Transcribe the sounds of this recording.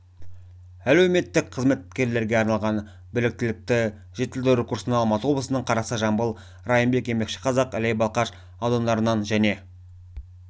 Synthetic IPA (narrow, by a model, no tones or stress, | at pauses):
ælewme̞t̪ːɪkqʰəzme̞t̪̚kʲe̞ɾle̞ɾɡʲe̞ɑɾnɑlˠʁɑn | bɪlɪk̚t̪ɪlɪk̚t̪ɪ | ʒ̥et̪ːeld̪ɪɾekuɾsənɑlˠmɑt̪əwo̞blˠəsənəɴqʰɑɾɑsəʒɑmbəlˠ | rɑjəmbe̞kʲe̞me̞kʃɪ̥qʰɑzɑqælejbɑlˠqɑʃ | ɑwd̪ɑnd̪ɑɾənɑnʒæne̞